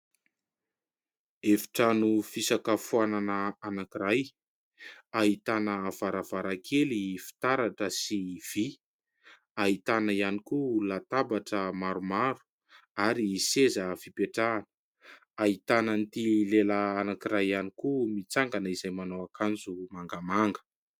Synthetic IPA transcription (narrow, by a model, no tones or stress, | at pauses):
efi̥ʈ͡ʂanufisakəfuananəanakiɾaj | aɦit̪anəv̥aɾavaɾakʰelifi̥t̪aɾaʈ͡ʂəsiv̥i | aɦit̪anəianikulat̪abaʈ͡ʂəmaɾumaɾu̥ | aɾisezəfipeʈ͡ʂanə̥ | aɦit̪anənt̪ilelaːnakiɾajanikumit͡saŋɡanəizajmanowakʰand͡zumaŋɡamaŋɡə̥